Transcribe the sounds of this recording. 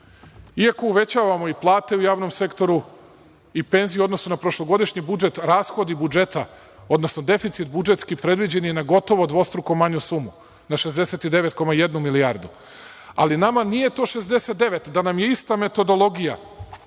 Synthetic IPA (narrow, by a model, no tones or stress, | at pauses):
iako̞uʋe̞t͡ɕaːʋamo̞iplˠaːt̪e̞ujaːʋno̞mse̞kt̪o̞ɾu | ipe̞nzijuo̞d̪no̞sunapɾo̞ʃlˠo̞ɡo̞d̪iʃɲibud͡ʒe̞t̪ɾaːsxo̞d̪ibud͡ʒe̞t̪a | o̞d̪no̞sno̞d̪e̞fit̪sit̪̚bud͡ʒe̞t̪skipɾe̞d̪ʋid͡ʑe̞ninaɡo̞t̪o̞ʋo̞d̪ʋo̞st̪ɾukomaɲusumu | naʃezd̪e̞set̪id̪eʋe̞t̪ko̞maje̞d̪numiliaːɾd̪u | a̰linamanije̞t̪o̞ːʃe̞zd̪e̞set̪̚d̪e̞ʋe̞t̪d̪anamje̞ist̪ame̞t̪o̞d̪olˠo̞ɡija̰